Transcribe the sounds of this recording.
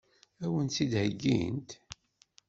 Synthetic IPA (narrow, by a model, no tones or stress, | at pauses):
æwənt͡sːid̪həɡːḭnt̪